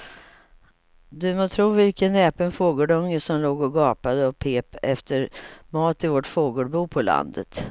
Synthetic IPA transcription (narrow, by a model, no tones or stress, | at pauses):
d̪ɵmɔt̪ʰɾuːvɪlkənɛːpənfoːɡoːɖɵŋːəʂɔmloːɡɔɡɑːpad̪əɔpʰeːpɛft̪ʰəɾmɑːt̪ɪvoʈfoːɡoːɖbuːpʰɔla̰nd̪ə̰t̪